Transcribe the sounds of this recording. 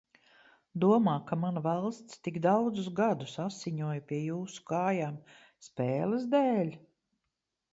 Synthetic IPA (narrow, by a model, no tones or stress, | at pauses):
d̪uɔmaːkamanvalˠst̪st̪iɡd̪awd̪zʊsɡad̪usasiɲuɔjpʲiɛjuːsu̥kaːjaːm | spɛːləzd̪ɛːlʲ